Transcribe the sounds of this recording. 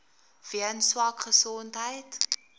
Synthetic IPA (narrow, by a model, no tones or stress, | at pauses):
v̥iənswɑkχəsɔntɦəjt